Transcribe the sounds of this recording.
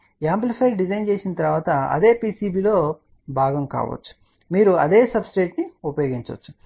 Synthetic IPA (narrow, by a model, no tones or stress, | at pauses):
aːmplipʰɐjɖid͡ʒɐjnt͡ʃe̞ːsinɐt̪ɐɾʋaːt̪ɐɐ̰d̪e̞ːpiːsiːbiːlo̞ː | bʱaːɡɐmka̰ːʋɐ̰t͡ʃːu̥ | miːɾuɐd̪e̞ːsɐbsiʈeːʈniupɐjoːɡint͡ʃɐ̰t͡ʃːu̥